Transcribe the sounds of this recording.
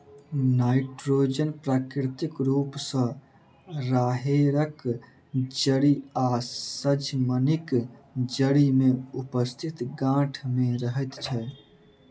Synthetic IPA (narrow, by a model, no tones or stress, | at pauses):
naiʈɾod͡ʒənpɾaːkiɾt̪ikɾupsə̃ | ɾaɦeɾək | d͡ʒəɽiasəd͡ʒmənikd͡ʒəɽimeupəst̪ʰit̪ɡãʈʰmeɾəɦɛt̪t͡ʃʰɛ